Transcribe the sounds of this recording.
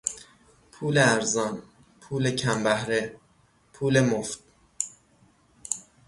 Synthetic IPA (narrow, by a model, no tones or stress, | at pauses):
pʰuːleæɾzɒːn | pʰuːlecʰæmbæhɾe | pʰuːlemoft̪̚